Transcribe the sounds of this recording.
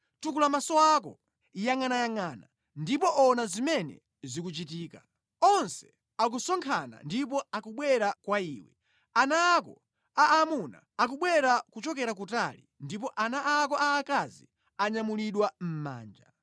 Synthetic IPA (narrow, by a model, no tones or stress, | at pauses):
tukulamasɔakɔ̰ | jaŋanajaŋaːna | ndipɔʔɔnazimɛnɛ̰ | zik̬ut͡ʃitiːka | ɔnsɛ̥ | ak̬usɔŋkʰana̰ndip̬ɔakuɓwɛɾakwaiːwɛ | anaːkɔ | aːmuna̰ | ak̬uɓwɛɾakut͡ʃɔkɛɾak̬utalḭndip̬ɔʔanaʔakɔʔaːkazḭ | aɲamuliɗwam̩ma̰ːnd͡ʒa̰